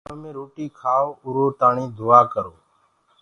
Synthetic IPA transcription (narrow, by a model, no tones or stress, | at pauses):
õːmẽːɾoːʈiːkʰaːoʊɾoːt̪aːɳiːd̪ʊaːkəɾoː